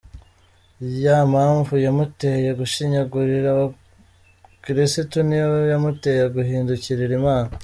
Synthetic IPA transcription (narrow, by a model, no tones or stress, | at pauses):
jaːmhaːɱvujamutejeɡuʃiɲaɡuɾiɾao | kiɾisitunijojamute̞jeɡuɦiːnduciɾiɾimaːna